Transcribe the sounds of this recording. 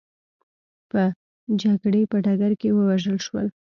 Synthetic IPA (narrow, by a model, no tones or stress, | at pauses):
pə | d͡ʒaɡɽepəɖaɡaɾkewəwaʒəlʃwə̰l